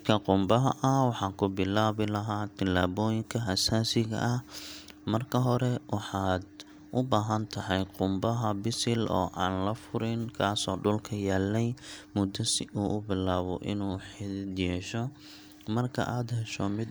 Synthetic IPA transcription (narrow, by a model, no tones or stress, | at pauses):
kʰɐqʊmbɐɦɐʔɐwɑħɑːkʰʊbɪlaːβɪlɐɦaːt̪ʰɪlːaːβɔːjɪŋkʰɐɦɐsaːsɪɣɐ̰ʔɐhmɐrkʰɐɦɔɾɛwʔɑħɑːd̪ | ʔʊbaːɦɐnt̪ʰɐɦɛjqʊmbɐɦɐbɪsɪlʔɔ̰ːʔaːnlɐfʊɾɪnkʰaːsɔːɖʊlkʰɐjaːlːɛjmʊd̪ɐsɪuːʔʊbɪlaːβɔ̰ʔɪ̰nuːħɪdɪd̪jɛːʃɔ | mɐrkʰɐ̰ʔaːd̪hɛʃɔmɪd̪